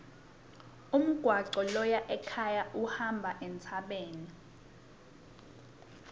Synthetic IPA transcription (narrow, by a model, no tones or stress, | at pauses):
um̩ɡ̥ʱwaǀɔlɔjaʔɛkʰajaʔuhambʱaʔɛnt͡sʰaɓeːni